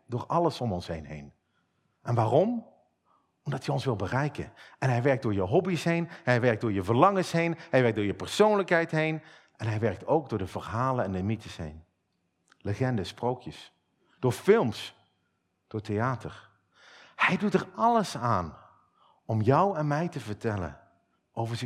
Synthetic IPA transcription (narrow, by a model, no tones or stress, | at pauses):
dʊːɹɑləsɔmɔnsɦejnɦḛjn | ʔɛnʋaːrɔm | ɔmdɑtjəɔnsʋɪlˠbərɛjkə̰ʔɛnɦɛjʋɛɹk̚dʊːɹjəɦɔbisɦejnhɛjʋɛɹk̚dʊːɹjəvəɹlɑŋəsɦejnhɛjʋɛɹk̚dʊːɹjəpəɹsownləkɦɛjtɦejn | ʔɛnɦɛjʋɛɹk̚towk̚dʊːɹdəvəɹɦaːlənɛndəmitəsɦḛjn | ləχɛndəsprowkjəs | d̥ʊːɹfɪlˠms | d̥ʊːɹtejaːtʰəɹ | hɛjdutɛɹɑləsaːn | ɔmjʌwɛnmɛjtəvəɹtɛlə̰n | ʔowvəɹz